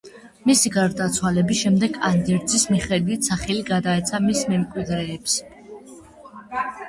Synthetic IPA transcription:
misiɡaɾd̪at̪sʰwalɛbisʃɛmd̪ɛɡand̪ɛɾzismiχɛd̪wit̪ʰsaχɛliɡad̪aɛt̪sʰamismɛmkʼwid̪ɾɛːps

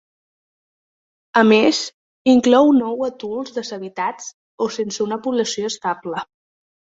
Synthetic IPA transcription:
əmez | iŋklɔwnɔwət̪ulˠzðəzəβit̪at͡s | osensəunəpuβləsioəst̪ablə

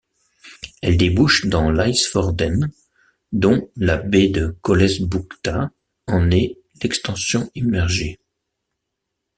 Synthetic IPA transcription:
ɛld̪ebuʃd̪ɑ̃lajsfɔʁd̪ɛn | d̪ɔ̃labed̪əkɔlɛsbukt̪a | ɑ̃nɛ | lɛkst̪ɑ̃sjɔ̃imɛʁʒe

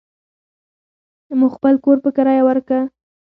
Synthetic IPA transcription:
muxpəlkoɾpəkaɾɑjawəɾkə

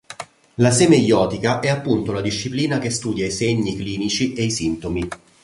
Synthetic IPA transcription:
lasemejɔːt̪ikaʔɛapːunt̪olad̪iʃːipliːnakest̪uːd̪jaiseɲːikliːnit͡ʃiʔeisint̪omi

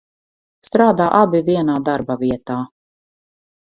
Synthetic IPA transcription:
st̪ɾaːd̪aːʔabiviɛnaːd̪aɾbaviɛt̪aː

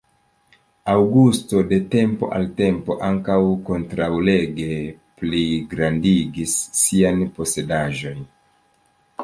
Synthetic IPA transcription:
awɡusto̞de̞te̞mpo̞̰ʔalte̞mpo̞̰ʔaŋkawko̞ntɾawle̞ɡe̞ | pliɡɾandiɡisːianpo̞se̞daʒo̞n

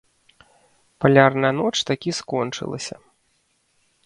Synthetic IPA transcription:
palʲarnɐjɐnɔt͡ʂt̪akʲiskɔnt͡ʂɨ̰lˠɐ̰sʲɐ̰

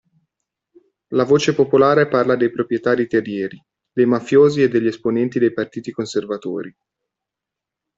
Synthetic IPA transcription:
lavoːt͡ʃepopolaːɾeparlad̪ejpɾopɾjet̪aːɾit̪erjɛːɾi | d̪ejmafjoːzied̪ːeʎːiesponɛnt̪id̪ejpart̪iːt̪ikonservat̪o̰ːɾi

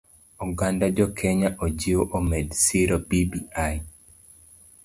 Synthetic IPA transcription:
ɔɡandad͡ʒɔkʰeɲaʔod͡ʒiwoʔomedsiɾobibia

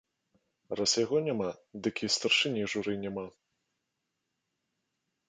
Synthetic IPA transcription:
rasjaɣɔnʲamad̪ɨkʲist̪arʂɨnʲɛjʐuɾɨnʲama

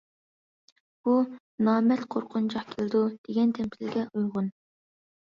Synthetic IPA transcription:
b̥u | nɑːmɛt̪qʰoɾqʰʊnt͡ʃɑχkʲʰeld̪ud̪̥eɡʲɛnt̪ʰɛmpʰɪlɪɡʲɛʔujʁʊn

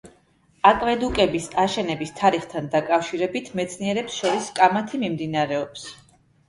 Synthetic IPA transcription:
akʼvɛd̪ukʼɛbisaʃɛnɛbist̪ʰaɾiχt̪ʰand̪akʼafʃiɾɛbit̪ʰmɛt̪sʰniɛɾɛpsʃɔɾiskʼamat̪ʰimimd̪inaɾɛɔps

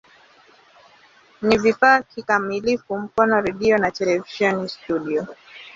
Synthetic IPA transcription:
nivifaːkikamilifum̩kɔnɔɾɛɗiɔnatɛlɛviʃɔnistuɗiɔ

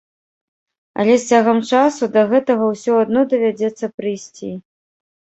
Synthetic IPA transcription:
ɐ̰lʲɛsʲt͡sʲaɣɐmt͡ʂasud̪ɐɣɛt̪ɐɣɐwsʲɔad̪nɔd̪ɐvʲad͡zʲɛt̪sːɐpɾɨjsʲt͡sʲi

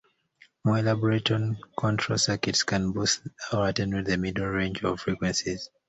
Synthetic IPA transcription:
mɔɛlabɔɹetɔ̃nkʰɔ̃ntʰɹɔsakitskʰãnbusaatɛ̃nwiðəmidl̩ɹẽnd͡ʒɔ̰v̥fɹikwɛ̃nsiz̥

